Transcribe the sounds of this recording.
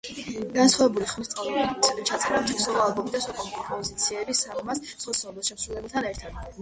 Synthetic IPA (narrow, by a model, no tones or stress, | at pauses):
ɡansχwavɛbuliχmist̪sʼt̪ʰt͡ʃʰat̪sʼɾat̪ʰɛsɔɔalˠbɔmid̪aswakʼɔmpʼɔpʰɔzit̪sʰiɛbisamɔmassɔsɔɔbɛsʃɛmsɾulɛbɛt̪ʰanɛɾt̪ʰad̪̥